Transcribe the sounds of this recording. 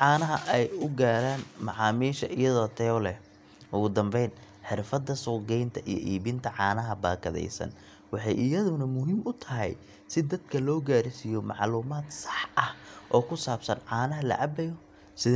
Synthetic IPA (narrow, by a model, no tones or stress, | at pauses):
ʕɑːnɐɦɐʔɛjʊɡaːɾaːnmɑʕɑːmiːʃɐʔɪjɐðɔːt̪ʰɛlɛ | ʊɣʊd̪ɐmbɛjn | ħɪrfɐd̪ːɐsʊɡɛjnt̪ʰɐʔijɔ̰ʔiːβɪnt̪ʰɐʕɑːnɐɦɐbaːkʰɐðɛ̰jsɐ̰n | wɑħɑjʔɪjɐðʊnɐmʊɦiːmʊt̪ʰɐɦɛ̰j | sɪd̪ɐd̪kʰɐlɔːɡaːɾsijɔmɑʕluːmaːd̪sɑ̥ħʔɐhʔɔːkʰʊsaːbsɐnʕɑːnɐɦɐlɐ̰ʔɑbɛjɔ | sɪð